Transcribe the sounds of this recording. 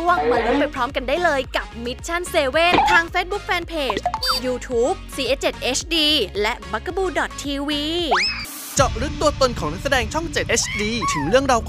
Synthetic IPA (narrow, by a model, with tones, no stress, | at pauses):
u˥˩əŋma˧lu˦˥npa˧jpʰɾɔː˦˥mka˧ndaː˥˩jlɤː˧jka˨˩p̚mi˦˥t̪̚t͡ɕʰa˥˩nseː˧weː˥˩t̪ʰːaː˧ŋfeː˦˥t̪̚bu˦˥k̚fɛː˧npʰeː˨˩t͡ɕjuː˧t̪ʰuː˦˥p̚siː˧ʔeː˦˧˥t͡ɕe˨˩t̪̚ʔeː˦˥t͡ɕʰdiː˧lɛ˦˥ʔba˧˦˥kʰːa˧˩buː˧dɔ˨˩t̪ʰːiː˧wiː˧ | t͡ɕɔ˨˩p̚ɾɯ˦˥k̚t̪u˧ɐt̪o˧nkʰɔː˩˦ŋna˦˥k̚s̬a˧dɛː˧ŋt͡ɕʰɔ˥˩ŋt͡ɕe˨˩t̪ʔe˦˥t͡ɕʰdiː˧t̪ʰɯ˩˦ŋɾɯ˥˩əŋɾaː˧wkʰ